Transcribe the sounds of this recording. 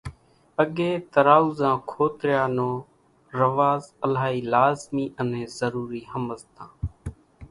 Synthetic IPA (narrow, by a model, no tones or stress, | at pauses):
əɠeːt̪əɾaːuːzãːkʰoːt̪ɾɪjaːnõː | ɾəʋaːzəlaːɦiːlaːzmiːʔənẽːzəɾuːɾiːɦəməzt̪ãː